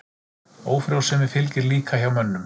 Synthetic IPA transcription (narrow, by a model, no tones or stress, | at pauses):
oːwfɾjawsɛmɪ̥fɪlcɪɾliːkʰaçawmœnːʏm